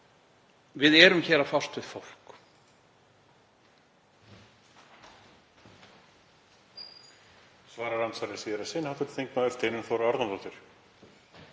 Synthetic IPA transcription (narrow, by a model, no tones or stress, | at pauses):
vɪðɛɾʏmçɛːɾafar̥t̪vɪð̥fowl̥k | svaːɾaɾansaɾɪsiːðɪɾḁsenhawt̪ʏɾθejŋknaʏft̪eːnʏnθowɾaaɾðamt̪ɔt̪ɪɾ̥